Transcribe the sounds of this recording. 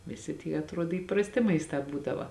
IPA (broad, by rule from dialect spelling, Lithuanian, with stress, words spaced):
ʋʲɪˈsʲɪ tʲiɛ ɐtˈruɔt iːprɐsʲˈtʲɪ mɐɪsˈtɑː ˈbuːdɐʋɐ